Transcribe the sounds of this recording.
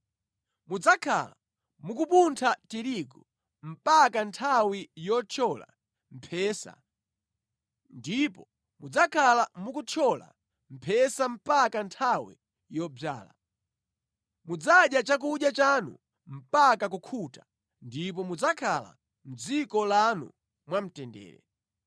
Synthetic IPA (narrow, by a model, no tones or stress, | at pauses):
mud͡zakʰa̰la | mukupuntʰatiɾiɡɔ | m̩pakantʰawijɔt͡ʃʰɔla̰ | m̩pʰɛːsa̰ | ndipɔ | mud͡zakʰalamukut͡ʃʰɔla̰ | m̩pʰɛsam̩pakantʰawḭ | jɔba̰ːla̰ | mud͡zaɗjat͡ʃak̬uɗjat͡ʃanṵ | m̩pakak̬ukʰutḁ | ndip̬ɔmud͡zakʰala̰ | m̩d͡zikɔlanṵ | mwam̩tɛndɛ̰ːɾɛ̰